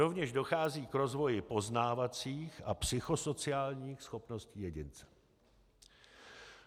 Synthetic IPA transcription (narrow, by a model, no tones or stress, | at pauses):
o̞vɲɛʒdo̞xaːziːkɾo̞zvo̞jɪpo̞znaːvat͡siːxʔapsɪxo̞so̞t͡sɪaːlɲiːxsxo̞pno̞sciːjɛɟɪnt͡sɛ̥